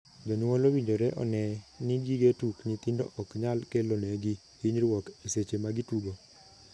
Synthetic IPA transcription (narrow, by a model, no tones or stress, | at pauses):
d͡ʒɔnwolowiɲd͡ʒoɾɛʔɔ̰nɛniɡiɡetukɲit̪indo̰ʔɔkɲalkelonɛɡi | iɲɾwɔkeset͡ʃemaɡituɡo